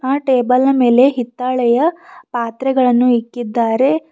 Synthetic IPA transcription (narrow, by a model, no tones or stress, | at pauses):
aːʈeːbɐlɐme̞ːle̞ɦit̪ːaːɭɛjɐpaːt̪ɾɛɡɐɭɐnːuikːid̪ːaːɾe̞